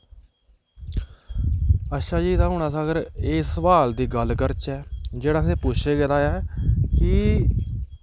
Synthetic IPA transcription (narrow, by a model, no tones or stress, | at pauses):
əʃaːd͡ʒiːd̪aːɦʊɳaːsaːɡəɾeːsəʋaːld̪iːɡəlkəɾt͡ʃɛːd͡ʒeːɽãːseːpʊt͡ʃʰeːɡəd̪aːjɛːkɪ